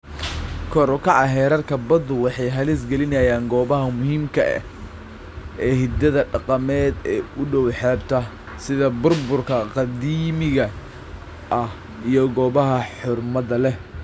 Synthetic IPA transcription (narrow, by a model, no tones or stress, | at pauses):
kʰɔɾʊkʰɑʕɑɦɛːɾɐrkʰɐbɐd̪ʊwɑħɑjɦɐlis̬ɡɛlɪnɐjaːŋɡɔːβɐɦɐmʊhiːmkʰɐɛ̰ | ʔɛːhɪd̪ɐðɐɖɑqɑmɛːd̪ɛːʊɖɔwħɛːbt̪ʰɐ | sɪðɐbʊrbʊrkʰɐqɑd̪iːmɪɣɐ | ʔɐh | ijɔɡɔːβɐɦɐħʊrmɐðɐlɛ